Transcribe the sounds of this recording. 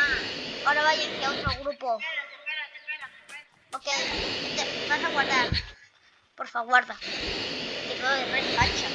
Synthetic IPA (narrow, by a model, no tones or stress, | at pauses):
oɾaβajeŋkeaot̪ɾoɣɾupo | oket̪ebasaɣwaɾðaɾ | poɾfaɣwaɾða | d̪ikooðerespat͡ʃa